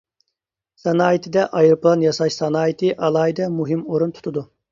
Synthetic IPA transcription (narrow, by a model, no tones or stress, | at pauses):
sɑnɑːjit̪ʰɪd̪ɛʔɑjɨɾplˠɑnjɑsɑʃsɑnɑːjit̪ʰɨʔɑlˠɑːjid̪ɛmuɦɪmoɾunt̪ʰu̥t̪ʰud̪u